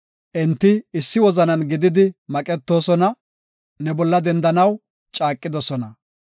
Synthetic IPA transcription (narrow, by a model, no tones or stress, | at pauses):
ʔɛnt̪ːɪɪsːɪwɔzɐnɐnɡɪd̪ɪd̪ɪmɐkʼɛt̪ːo̞ːsɔnɐ | nɛbɔlːɐd̪ɛnd̪ɐnɐw | t͡ʃʼaːkʼːɪd̪ɔsɔnɐ